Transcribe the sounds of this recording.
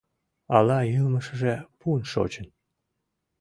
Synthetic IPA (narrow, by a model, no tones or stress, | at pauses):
ɑlɑjilməʃə̆ʒepunʃo̰t͡ɕən